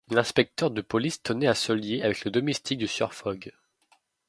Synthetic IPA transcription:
lɛ̃spɛk̚t̪œʁd̪əpɔlist̪ʰɔnɛasɔljeavɛkləd̪ɔmɛst̪ʰik̚d̪əsœ̰ʁfɔɡ

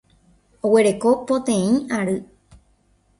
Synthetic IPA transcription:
o̞we̞ɾe̞kopot̪ẽ̞ĩaɾɨ

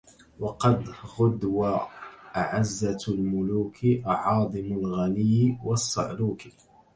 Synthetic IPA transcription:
wɑqɑd̪ɣʊd̪waʔaʕazːalmʊluːkʰɪʔʕɑːd̪ˤɨmʊlɣanɪjwɑsˤːɑ̰ʕluːk

